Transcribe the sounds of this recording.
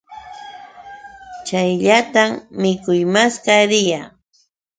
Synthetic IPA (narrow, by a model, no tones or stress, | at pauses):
t͡ʃajʎat̪ammɪkʊjmaskaɾɪja